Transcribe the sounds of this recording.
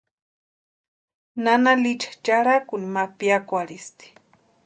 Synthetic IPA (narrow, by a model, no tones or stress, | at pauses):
nanalit͡ʃḁt͡ʃaɾakunimapiakʷaɽist̪i̥